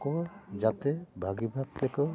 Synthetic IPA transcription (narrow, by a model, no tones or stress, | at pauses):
kɔd͡ʒat̪ebʱaɡibʱab̚t̪ekɔ